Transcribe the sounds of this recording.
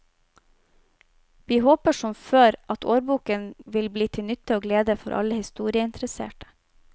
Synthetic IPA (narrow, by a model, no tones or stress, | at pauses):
ʋiːhoːpəʃɔmføːɾʔɑt̪ʰoːɾbuːkənʋɪlbliːt̪ʰɪnʏt̪əoːɡleːd̪əfɔ̰ɾʔɑ̰ləhɪst̪uːɾɪəɪnt̪ɾəsḛːʈə̥